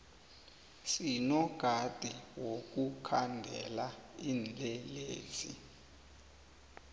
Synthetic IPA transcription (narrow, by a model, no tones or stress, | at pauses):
sinɔɡ̥ʱad̥ʱiwok̬ukʰandʱɛlaiːnd͡ɮʱɛleːzi